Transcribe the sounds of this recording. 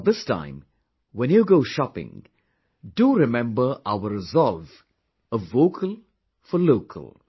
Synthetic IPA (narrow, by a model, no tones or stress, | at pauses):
ðɪstʰã̰ɪ̃m | wɛ̃njuɡoʊʃɑpɪ̰̃ŋ | duɾɪmɛ̃mbə˞ʔaʊəɹɪzɔlˠv | əvːoʊkʰəlˠ | fəloʊkʰə̰lˠ